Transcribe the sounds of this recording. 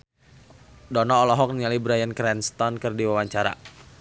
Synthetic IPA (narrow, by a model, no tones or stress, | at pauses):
dɔnɔːlɔɦɔk̚nialibɾajənkɾɛnst̪ɔnkɨrdiwawaɲt͡ʃaɾa̰